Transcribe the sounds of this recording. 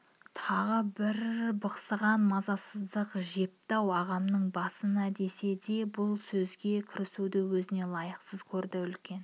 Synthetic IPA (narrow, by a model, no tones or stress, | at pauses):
t̪ʰɑʁəbɪɾbɑqsəʁɑnmɑzɑsəzd̪əqʒe̞p̚t̪ɑwɑʁɑmnəɴbɑsənæd̪e̞se̞d̪e̞bʊlˠsɵzɡʲe̞kʲʰɪɾɪsud̪ɪwɵzɪne̞lˠɑjəqsəz̥kʲʰɵɾd̪ɪʏlkʲe̞n